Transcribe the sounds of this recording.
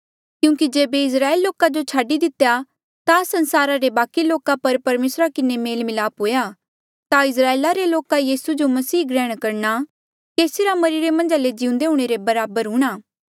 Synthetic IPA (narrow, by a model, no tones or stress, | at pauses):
kjũːkid͡ʒeːbeɪs̬ɾaːelːoːkad͡ʒot͡ʃʰaːɖid̪ɪt̪ja | t̪asɐ̃nsaːɾaɾebaːkiloːkapɐɾpɐɾmeːsɾakɪnemeːlmɪlaːpɦoːja | t̪aɪs̬ɾaːeːlaɾeloːkajiːsud͡ʒomɐsiːɡɾɛːɽ̃kɐɾna | keːsiɾamɐɾiːɾemɐ̃nd͡ʒaled͡ʒɪʊ̃nd̪eɦũːɽ̃eɾebɐɾaːbəɾɦũːɽ̃aː